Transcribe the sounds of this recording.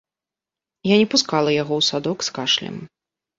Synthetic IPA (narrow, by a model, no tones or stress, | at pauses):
janʲɛpuskalˠɐjaɣɔwsad̪ɔkskaʂlʲɛ̰m